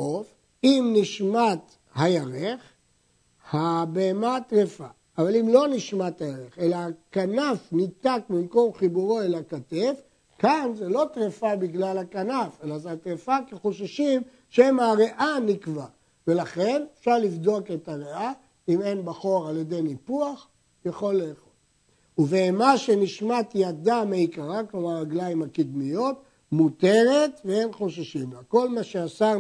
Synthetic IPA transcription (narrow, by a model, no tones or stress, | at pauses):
of | imniʃmat̪ | hajaʁeχ | habeemat̪ʁefaː | valimlo̞niʃmat̪hajaʁeχe̞laakanafnit̪akbimko̞mχibuʁoelakatef | kanzelo̞t̪ʁefabiɡlalakanafe̞lazet̪ʁefakeχoʃaʃim | ʃemaʁe̞ʔanikva | ve̞laχe̞nefʃaʁlivd̪o̞ke̞taʁea | ime̞nbaχoʁalje̞d̪e̞jnipuaχ | jaχo̞lːeːχo̞l | uveːmaʃeniʃmat̪jad̪ameikaʁaklomaʁaɡlajimhakid̪mijo̞t̚ | mut̪e̞ʁetvee̞nχo̞ʃaʃimlako̞lmaʃeasa